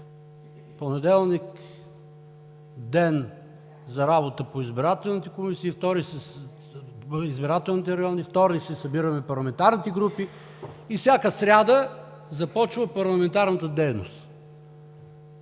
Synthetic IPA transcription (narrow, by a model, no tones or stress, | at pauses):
ponɛd̪ɛlˠnik | d̪ɛn | zɐɾabot̪əpoizbiɾat̪ɛlˠnit̪ɛkomisiːft̪ɔɾis | izbiɾat̪ɛlˠnit̪ɛɾɐjɔnift̪ɔɾnisɛsɐbiɾəmɛpɐɾlˠɐmɛnt̪aɾnit̪ɛɡɾupiː | fsʲjakəsɾʲad̪ə | zɐpɔt͡ʃvəpɐɾlˠɐmɛnt̪aɾnət̪əd̪ɛjnost̪